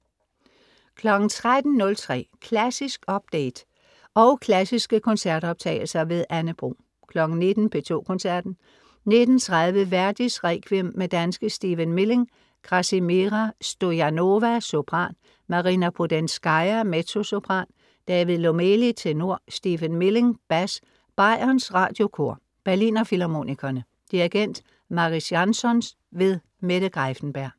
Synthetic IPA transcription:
kʰlɒ̽ɡ̥n̩t͡sʰʁad̥n̩nɔ̽lt͡sʰʁɛ̰ːkʰlæsisɡ̥ɒ̽b̥d̥eɪd̥ | ɒ̽ʊkʰlæsisɡ̥əkʰɔ̽nsæɐd̥ɒ̽b̥̚t͡sʰɛ̰ːɪl̩sɐʋe̝ðˠʔænəb̥ʁṵː | kʰlɒ̽ɡ̥n̩ne̝d̥n̩pʰe̝t͡sʰo̝̰ːkʰɔ̽nsæɐ̰d̥n̩ | ne̝d̥n̩t͡sʰʁaðˠʋəʋæɐd̥isʁɛkʰʋimːed̥ænsɡ̥əsd̥iːʋənmele̝ŋ | ɡ̥ʁɑ̈simeʁɑsd̥o̝jæno̝ʋæso̝b̥ʁɑ̰̈ːn | mɑ̈ʁinæpʰod̥ensɡ̥ɑɪɐmet͡sʰo̝so̝b̥ʁɑ̈ːn | d̥ɛːʋið̩ˠlo̝melit͡sʰeno̝ɐ̰sd̥iːʋənmele̝ŋb̥æs | b̥ɑ̈ɪ̰ɐnsʁɑ̰̈ːd̥jo̝kʰo̝ɐ̰ | b̥æɐlḭːnɐfilɑmo̝̰nikʰɐnə | d̥iʁiɡ̥en̰d̥ | mɑ̈ʁisjɑnsɒ̽ns | ʋe̝ðˠ | meɾ̥əɡ̥ʁɑfn̩b̥æɐ̰

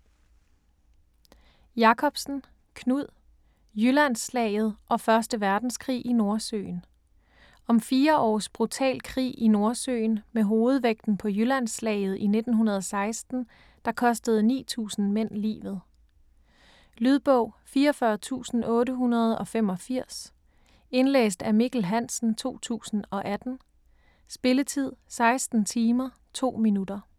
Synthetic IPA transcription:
jɑ̈kʰɒ̽b̥sn̩ | kʰnuð̰ˠ | jylæn̰slɛ̰ːɪð̩ˠʔɒ̽fɶɐsd̥əʋæɐd̥n̩skʰʁḭːʔino̝ɐsø̰ːn | ɒ̽mfiːɐʔɒ̰ːsb̥ʁut͡sʰɛ̰ːlkʰʁḭːino̝ɐsø̰ːnmeɦoːð̞̩ˠʋeɡ̥̚d̥n̩pʰɒ̽jylæn̰slɛ̰ːɪð̩ˠʔine̝d̥n̩ɦunɐð̞̩ˠɒ̽sɑ̈ɪsd̥n̩ | d̥ɑ̈kʰɒ̽sd̥əð̞̩ˠnḭːt͡sʰṵːsn̩men̰lḭːʋð̞̩ˠ | lyð̞ˠb̥ɔʊ̰fiːɐɒfɶɐt͡sʰṵːsn̩ʔɔ̽ːɾəɦunɐð̞̩ˠɒ̽fem̰ɒ̽fiɐ̰s | e̝nlḛːsd̥æmiɡ̥l̩ɦæn̰sn̩t͡sʰo̝̰ːt͡sʰṵːsn̩ɒ̽ʔæd̥n̩ | sb̥e̝lət͡sʰið̞̰ˠsɑ̈ɪsd̥n̩t͡sʰiːmɐ | t͡sʰo̝̰ːminud̥ɐ

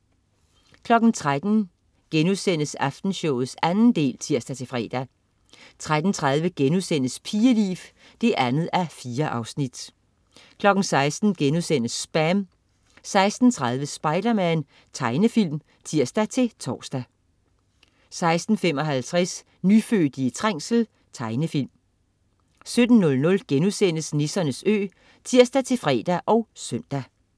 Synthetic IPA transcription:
kʰlɒ̽ɡ̥n̩t͡sʰʁad̥n̩ | ɡ̥enuðˠsen̰əsɑfd̥n̩ɕɔʊ̰ð̩ˠsænn̩d̥e̝̰ːlt͡sʰiɐ̰sd̥æt͡sʰe̝fʁɛ̰ːd̥æ | t͡sʰʁad̥n̩t͡sʰʁað̞ˠʋəɡ̥enuðˠsen̰əspʰiːəlḭːf | d̥e̝ʔænð̩ˠæfiːɐʔɑ̈ʊsnid̥ | kʰlɒ̽ɡ̥n̩sɑ̈ɪsd̥n̩ɡ̥enuðˠsen̰əsːb̥æm | sɑ̈ɪsd̥n̩t͡sʰʁɑ̈ð̞ˠʋəsb̥ɑ̈ɪd̥ɐmæn | t͡sʰɑ̈ɪnəfil̰m | t͡sʰiɐ̰sd̥æt͡sʰe̝t͡sʰɒ̰ːsd̥æ | sɑ̈ɪsd̥n̩fem̰ɒ̽ɦælt͡sʰʁɛs | nyføːd̥iət͡sʰʁaŋ̰sl̩ | t͡sʰɑ̈ɪnəfil̰m | sød̥n̩ːɔ̽lnɔ̽lɡ̥enusen̰əsnesɐnəsø̰ː | t͡sʰiɐ̰sd̥æt͡sʰe̝fʁɛ̰ːd̥æʔɒ̽ʊsøn̰d̥æ

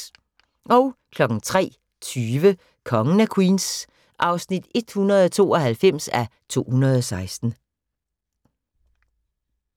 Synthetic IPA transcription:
ʔɒ̽ʊkʰlɒ̽ɡ̥n̩t͡sʰʁɛ̰ː | t͡sʰyːʋə | kʰɒ̽ŋənækʰwiːns | ʔɑ̈ʊsnid̥e̝d̥hunɐð̞̩ˠɒ̽t͡sʰo̝̰ːɒ̽hælfem̰sæt͡sʰo̝̰ːhunɐð̞ˠɒ̽sɑ̈ɪsd̥n̩

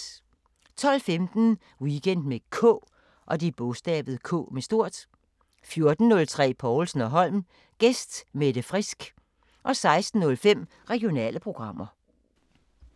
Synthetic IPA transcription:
t͡sʰɒ̽l̰femd̥n̩ | wiɡ̥en̰d̥mekʰɔ̰ː | ʔɒ̽d̥ib̥ɔsd̥ɛ̰ːb̥ð̞̩ˠkʰɔ̰̽ːmesd̥o̝ɐ̰d̥ | fjo̝ɐd̥n̩ːɔ̽lt͡sʰʁɛ̰ːpʰɒʊlsn̩ɒ̽ɦɒ̽l̰m | ɡ̥esd̥med̥əfʁisɡ̥ | ʔɒ̽sɑ̈ɪsd̥n̩ːɔ̽lfem̰ | ʁɛɡio̝nɛ̰ːləpʰʁo̝ɡ̥ʁɑ̈m̰ɐ

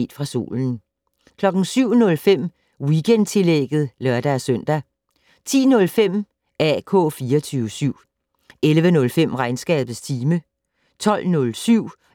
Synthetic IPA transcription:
d̥fʁɑ̈so̝̰ːln̩ | kʰlɒ̽ɡ̥n̩syʊ̰nɔ̽lfem̰ | wiɡ̥ʰend̥̚t͡sʰe̝leɡ̥ð̩ˠlɶɐd̥ææsœn̰d̥æ | t͡sʰḭːnɔ̽lfem̰ | ʔæ̰kʰɔ̰̽ːfiːɐɒt͡sʰyːʋəsyʊ̰ | elʋənɔ̽lfem̰ʁɑ̈ɪnsɡ̥ɛ̰ːb̥ð̩ˠst͡sʰiːmə | t͡sʰɒ̽l̰nɔ̽lsyʊ̰

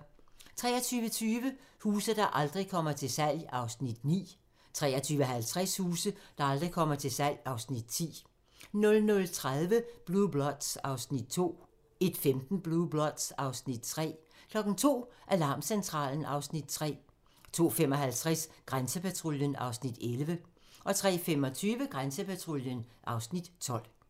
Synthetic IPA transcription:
t͡sʰʁɛ̰ːɐt͡sʰyːʋət͡sʰyːʋəhuːsɐd̥ɑ̈ʔɑ̈ld̥ʁikʰɒ̽m̰ɐt͡sʰe̝lsæl̰ɑ̈ʊsnid̥nḭː | t͡sʰʁɛ̰ːɐt͡sʰyːʋəɦælt͡sʰʁɛshuːsəd̥ɑ̈ɑ̈ld̥ʁikʰɒ̽m̰ɐt͡sʰe̝lsæl̰jɑ̈ʊsnid̥̚t͡sʰḭː | nɔ̽lnɔ̽lt͡sʰʁaðˠʋəb̥lub̥lɒd̥sɑ̈ʊsnid̥̚t͡sʰo̝̰ː | e̝d̥femd̥n̩b̥lub̥lɒd̥sɑ̈ʊsnid̥̚t͡sʰʁɛ̰ːkʰlɒ̽ɡ̥n̩t͡sʰo̝̰ːʔælɑ̰̈ːmsent͡sʰʁɑ̰̈ːln̩ɑ̈ʊsnid̥t͡sʰʁɛ̰ː | t͡sʰo̝̰ːfemɒ̽ɦælt͡sʰʁɛsɡ̥ʁansəpʰæt͡sʰʁo̝ljənɑ̈ʊsnid̥elʋə | ʔɒ̽t͡sʰʁɛ̰ːfemɒt͡sʰyːʋəɡ̥ʁansəpʰæt͡sʰʁo̝ljənʔɑ̈ʊsnid̥t͡sʰɒ̽l̰

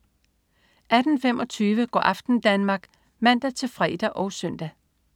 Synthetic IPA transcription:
ʔæd̥n̩femɒ̽t͡sʰyːʋəɡ̥ɒ̰ːʔɑ̈fd̥n̩d̥ænmɑ̈ːɡ̥ | mæn̰d̥æt͡sʰe̝lfʁɛ̰ːd̥æʔɒ̽ʊsœn̰d̥æ

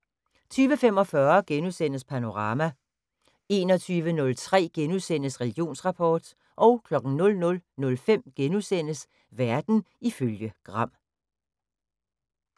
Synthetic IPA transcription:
t͡sʰyːʋəfem̰ɒ̽fɶɐɡ̥enusen̰əspʰæno̝ʁɑ̈ːmæ | e̝ːnɒ̽t͡sʰyːʋənɔ̽lt͡sʰʁɛ̰ːɡ̥enusen̰əsʁɛliɡ̥jo̝̰ːnsʁɑ̈pʰɒːd̥ | ʔɒ̽ʊkʰlɒ̽ɡ̥n̩nɔ̽lnɔ̽lnɔ̽lfem̰ɡ̥enusen̰əs | ʋæɐd̥n̩ | iføljəɡ̥ʁɑ̈m̰

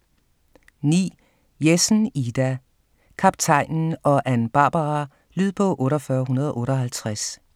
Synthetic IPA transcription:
nḭː | jesn̩id̥æ | kʰɑ̈b̥̚t͡sʰɑ̈ɪ̰nn̩ɒ̽ʔænb̥ɑ̈ːb̥ɑʁɑ | lyð̰ˠpʰɒ̽ʔɔ̽ːɾɒfɶːɐɦunɐð̞ˠɒ̽ʔɔːɾɒɦælt͡sʰʁas

